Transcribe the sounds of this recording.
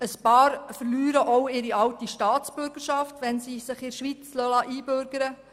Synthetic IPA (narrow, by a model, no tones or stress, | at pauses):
əspɑːɾfəɾlyːɾəʔɔwɪɾiɑwtiʃtɑːt͡sb̥ʏɾɡ̥əɾʃɑftʋɛnsiːsɪχɪʃʋit͡slœlɑʔiːbøɾɡ̥əɾə